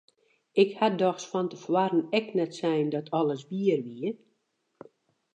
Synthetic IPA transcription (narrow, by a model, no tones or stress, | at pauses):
ɪkhadɔxsfɔntəfwaɾənɛknɛtsɛjndɔtʰɔləs̬biərʋiə